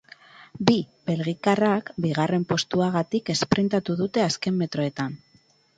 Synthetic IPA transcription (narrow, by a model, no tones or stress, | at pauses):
bibe̞lɣikarakbiɣ̞are̞mpo̞st̪uaɣat̪ike̞spɾent̪at̪uðut̪e̞aske̞mːe̞t̪ɾo̞e̞t̪an